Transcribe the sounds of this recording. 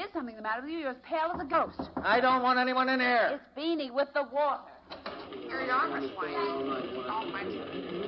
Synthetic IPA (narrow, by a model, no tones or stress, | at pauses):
ɨd̥sʌ̃mθɪ̃ŋðəmæɾə˞wɨðjɨjə˞ɨz̥pʰeɪlˠəzəɡoʊstaɪdõʊ̃nʔ̚wɑ̃ntɛniwʌ̃nɨ̃nɛɹɨsb̥ĩniwɪðəwɔɾə˞ | ə˞ijɑɹmɨswãɪ̃dõʊ̃nmɛ̃nt͡ʃɨ̃n